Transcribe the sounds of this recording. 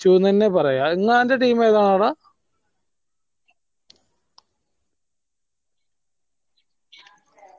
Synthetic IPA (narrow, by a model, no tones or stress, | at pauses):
t͡ɕuːnɐnːepɐrɐjaeŋːaːndeʈiːmeːðaːɳaːɽa